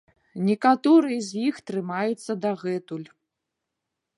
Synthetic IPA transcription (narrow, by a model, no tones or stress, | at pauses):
nʲikat̪ɔɾɨjɛzʲjixt̪ɾɨmajut̪sːɐd̪aɣɛt̪ulʲ